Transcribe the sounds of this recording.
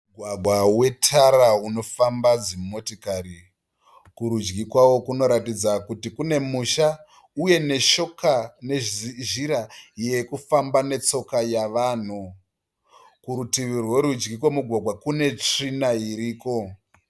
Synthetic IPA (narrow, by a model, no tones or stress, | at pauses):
uɡʱwaɡʱwawe̞tʰaɾauno̞fambad͡zimmotokari | kuɾud͡ʒɡikwawo̞kuno̞ɾatid͡zakutikune̞muʃa | uje̞ne̞ʃokaneʒiɾajjekufambane̞t͡so̞kajaʋaːn̤u | kuɾutiʋirwe̞ɾud͡ʒɡikwomuɡʱwaɡʱwakune̞t͡ʂrinaiɾiːko̞